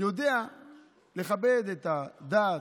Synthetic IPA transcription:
jo̞d̪ea | le̞χabe̞d̪et̪ad̪aː

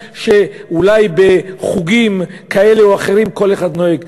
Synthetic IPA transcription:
ʃe̞ulajbe̞χuɡimkae̞leoaχe̞ɾimko̞leχad̪noeɡ

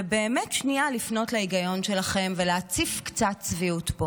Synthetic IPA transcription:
beːmetʃnialifno̞tleiɡajo̞nʃe̞laχe̞mveleːt͡sifkt͡satt͡sviutbo

